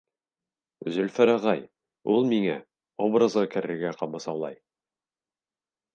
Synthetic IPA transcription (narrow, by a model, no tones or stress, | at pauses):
zɵ̆lfɘ̆ɾæʁɑj | ulˠmiŋæ | obrə̆zʁɤkɘ̆ɾɘ̆ɾɡæqɑmɤsɑwlˠɑ̰j